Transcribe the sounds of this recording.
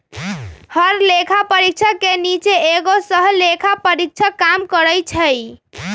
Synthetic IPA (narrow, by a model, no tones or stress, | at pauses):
həɾlekʰapəɾik̚t͡ʃʰəkenit͡ʃeeɡosəɦlekʰapəɾik̚t͡ʃʰəkamkəɾəjt͡ʃʰəj